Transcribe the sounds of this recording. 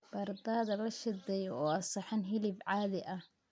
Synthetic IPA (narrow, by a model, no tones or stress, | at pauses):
b̥ɐrd̪aːðɐlɐʃɪd̪ɛːjɔɔːɐsɐħɪnɦɪlɪbʕaːðɪʔɐh